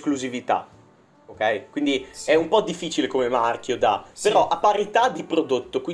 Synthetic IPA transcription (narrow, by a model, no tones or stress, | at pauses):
skluzivit̪a̰ | okɛjkwind̪iɛumpɔd̪ifːit͡ʃilekomemark̟jod̪a̰peɾɔʔapaɾit̪ad̪ipɾod̪ot̪ːokwi